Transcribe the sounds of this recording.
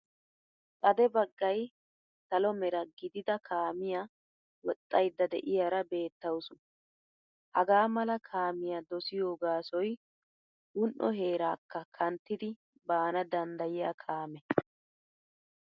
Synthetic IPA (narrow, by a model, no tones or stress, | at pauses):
t̪ʼɐd̪ɛbɐɡːɐj | t̪ɐlɔmɛɾɐɡɪd̪ɪd̪ɐkʰaːmɪja | wɔt̪ʼːɐjd̪ːɐd̪ɛ̰ʔɪjaɾɐbe̞ːt̪ːɐwʊsʊ | hɐɡaːmɐlɐkʰaːmɪjad̪ɔsɪjo̞ːɡaːsɔj | ɡʊnʔɔ̰ɦe̞ːɾaːkːɐkʰɐnt̪ːɪd̪ɪ | baːnɐd̪ɐnd̪ɐjɪjakʰaːmɛ